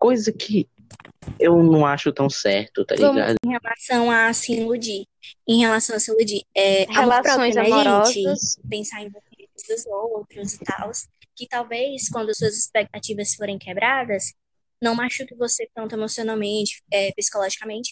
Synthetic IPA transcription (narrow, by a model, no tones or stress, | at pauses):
kojzɐkʰɪ | ewnɐ̃w̃aʃʊt̪ɐ̃w̃sɛɾt̪ʊt̪a̰liɡa̰d̪ʊẽhelasɐ̃w̃asĩlud͡ʒi | ẽj̃helasɐ̃w̃asĩlud͡ʒiɛhaelapɾɔõj̃zaɛʒmeɾ̃ɔzɪspẽsaɾẽj̃vomet̪ʊd̪ʊzowt̪ɾʊzit̪aws | kɪt̪awvejskwɐ̃nd̪ʊsuɐzɪspɛk̚t̪at͡ʃivɐsfoɾẽj̃kɛbɾad̪ɐs | nɐ̃w̃maʃukɪvoset̪ɐ̃nt̪ʊemɔsionawmẽt͡ʃɪ̥ɛpisi̥kɔlɔʒikɐmẽnt͡ʃɪ